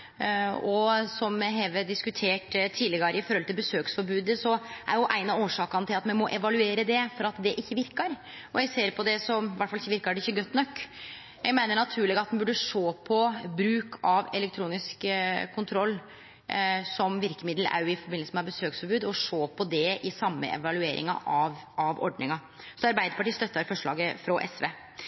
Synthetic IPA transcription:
ɔsɔmɦɛʋəd̪ɪskʉt̪ʰeːʈt̪ʰiːlɪɡɑɾəɪfɔɾhɔlt̪ɪlbəsøːksfɔɾbʉːd̪əsɔʔæ̰ɾjʊʔæɪnɑoːʂɑːkɑnət̪ʰɪlɑt̪mɛnmɔʔɛʋɑlʉeːɾəd̪ɛfɔɾɑt̪d̪ɛʔɪçːəʋɪɾkɑɾ | ɔjæɪseːɾpʰɔd̪ɛsɔmʋæʈfɑlɪçːəʋɪɾkɑɖɛɪçːəɡœt̪ːnɔkː | jæɡmæɪnəɳɑt̪ʰʉːɭɪɡɑt̪̚mnbʉɖːəʂoːpʰɔbɾʉːkʰɑʋɛ̰lɛkt̪ʰɾuːnɪskkʰːʊnt̪ʰɾɔlː | sɔmʋɪɾkəmɪd̪l̩ʔæ̰jɪfɔɾbɪnəsəmɛɑbəsøːksfɔɾbʉːd̪ɔʂoːpʰɔd̪ɛʔɪsɑmːə̰ʔɛ̰ʋɑlʉeːɾʔɪ̰ŋɑ̰ʔɑʋ | ɑʋɔ̰ɖnɪŋɑ | sɔɑɾbæɪd̪əɾpɑʈiːst̪œt̪ːɑɾfɔʂɭɑ̰ːɡəfɾɔʔɛsʋeː

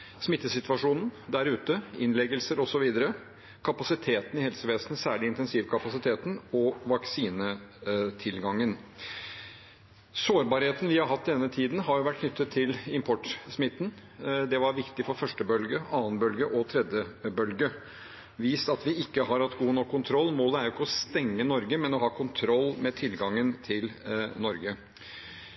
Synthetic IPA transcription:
smɪt̪ːəsɪt̪ʋɑʂuːnn̩d̪æɾʉːt̪əɪnlɛɡəlsəɾɔsɔʋiːd̪əɾə | kʰɑpɑsɪt̪ʰeːt̪nɪhɛlsəʋeːsnsæːɭɪɪnt̪ɛnsiːʋkʰɑpɑsɪt̪ʰeːt̪n̩ɔʋɑksiːnət̪ʰɪlɡɑŋːən | soːɾbɑːɾheːt̪ənʋɪhɑɾɦɑt̪ːdd̪ɛnːət̪ʰiːd̪nɦɑɾjʊʋæʈ̚kʰnʏt̪ːət̪ʰːɪlɪmpʰɔʈːsmɪt̪ːn̩ | d̪ɛʋɑɾʋɪkt̪ɪfɔɾfœʂʈəbœlɡəɑːənbœlɡəʔɔt̪ʰɾɛd̪jəbœlɡə | ʋiːsɑt̪ʋɪɪkːəɦɑɾhɑt̪ːɡuːnɔkʰːʊnt̪ʰɾɔlːmoːləæɾjʊɪkːəɔst̪ɛŋːənɔɾɡəmɛnɔɦɑːkʰʊnt̪ʰɾɔlːmɛt̪ʰɪlɡɑŋːənt̪ʰɪlnɔɾɡə

